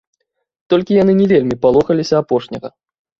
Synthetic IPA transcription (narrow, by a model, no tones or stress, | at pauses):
t̪ɔlʲkʲijanɨnʲɛvʲelʲmʲipalˠɔxɐlʲisʲɐapɔʂnʲɐɣɐ